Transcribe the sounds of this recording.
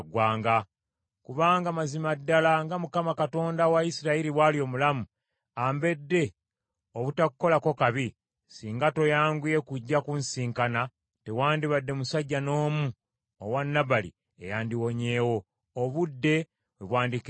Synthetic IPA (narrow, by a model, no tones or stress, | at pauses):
ɡwaːŋɡa | kuβaːŋɡamazimadːalaŋɡamukamakato̞ːndawaisiɾaiɾiwalio̞mulamu | ambe̞dːe̞ | oβutakuko̞lako̞kaβi | siːŋɡato̞jaːŋɡije̞kuɟːakunsiːŋkana | tewaːndiβadːe̞musaɟːano̞ːmu | owanːabalḭ | ḛjaːndiwo̞ɲe̞ːwo̞ː | βudːe̞ | βweβwaːndik